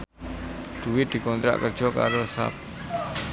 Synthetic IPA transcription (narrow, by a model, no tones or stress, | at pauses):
ɖ̪̥uwɪd̪̥i̤kɔnt̪ɾa̰ʔkərd͡ʒ̥ɔka̰ɾosa̰p̚